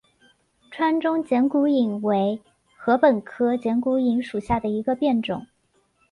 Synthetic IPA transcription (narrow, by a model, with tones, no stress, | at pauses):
ʈ͡ʂʰwa˥nʈ͡ʂʊ˥ŋt͡ɕjɛ˧˥nku˧˥i˨˩ŋwe˧˥ɪ | xɤ˧˥pə˨˩nkʰɤ˥t͡ɕjɛ˧˥nku˧˥i˧˥ŋʂu˨˩ɕja˥˩d̪ə˩i˧˥ɡə˧pjɛ˥˩nʈ͡ʂʊ̰˨˩˦ŋ